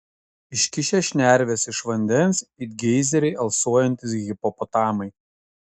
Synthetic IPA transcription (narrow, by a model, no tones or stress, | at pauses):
ɪʃʲkʲɪʃʲɛʃʲnʲæˑɾʲʋʲɛːsɪʃʋɐnʲd̪ʲɛnˑsɪɡʲɛɪzʲɛɾʲɛɪʔɐlˠsuɔjɛnʲt̪ʲɪsɣʲɪpɔpɔt̪ɑːmɐɪ